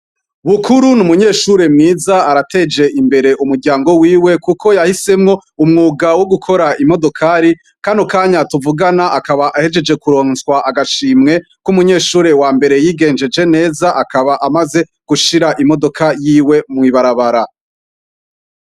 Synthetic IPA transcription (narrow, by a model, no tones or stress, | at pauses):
βukʰuɾunumuɲe̞ːʃuɾe̞mŋiːzaaɾate̞d͡ʒe̞ʔimbe̞ɾe̞ʔumuɾɡɟaːŋɡo̞wiːwe̞kukʰo̞jahise̞mŋo̞umŋuːɡawoɡukʰo̞ɾaimo̞do̞kʰaɾi | kaːndukaːɲatuvuɡanaʔakaβaʔahe̞d͡ʒe̞d͡ʒe̞kuɾo̞ːnswaʔaɡaʃiːmŋe̞ | kumuɲe̞ːʃuːɾe̞waːmbe̞ɾe̞jiːɡe̞ːnd͡ʒe̞d͡ʒe̞ne̞ːzaʔakaβaʔamaze̞ | ɡ̥uʃiɾaʔimo̞do̞kajiːwe̞mŋiβaɾaβaɾa